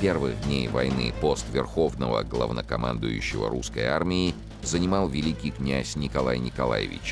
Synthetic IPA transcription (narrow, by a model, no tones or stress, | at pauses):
pʲe̞rvɨɣd̪ʲnʲejvɐjnɨpo̞st̪vʲɪrxo̞vnəvə̰ɡlˠɐ̰vnəkɐmand̪ʊjʊ̰ɕːɪvə̰ɾʔuskə̰ja̰rmʲɪː | zənʲɪmɑlˠvʲɪlʲikʲijknʲæsʲnʲɪkɐlˠajnʲɪkɐlˠa̰jɪ̰vʲɪ̰t͡ɕ